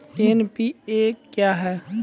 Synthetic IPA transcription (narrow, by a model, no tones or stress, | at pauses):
enpieːkjaːɦɛː